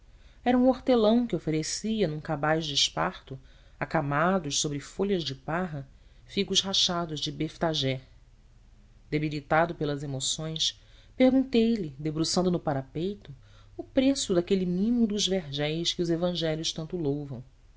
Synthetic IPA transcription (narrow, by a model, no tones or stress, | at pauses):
ɛɾɐũoɾt̪elɐ̃w̃kɪofeɾesiɐnũkabajʒd͡ʒɪɪʃpaɾt̪ʊ | akamad̪ʊʃsobɾɪfoʎɐzd͡ʒɪpaɦɐ | fiɡʊʃɦaʃad̪ʊzd͡ʒɪbeft̪aʒɛ | d̪ebilit̪ad̪ʊpelɐzemosõj̃s | pehɡũnt̪ejlɪd̪ebɾusɐ̃nd̪ʊnʊpaɾapejt̪ʊː | pɾesʊd̪akelimĩmud̪ʊzveɾʒɛjʃkɪʊzevɐ̃ʒɛljʊʃt̪ɐ̃nt̪ʊlowvɐ̃w̃